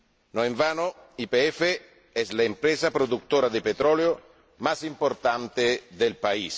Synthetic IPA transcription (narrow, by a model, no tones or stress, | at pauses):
noeɱvaːnoipeɛfe | ɛslaempɾɛsapɾod̪uk̚t̪oːɾad̪ɪpet̪ɾɔleo | masimpoɾt̪ant̪ed̪elpais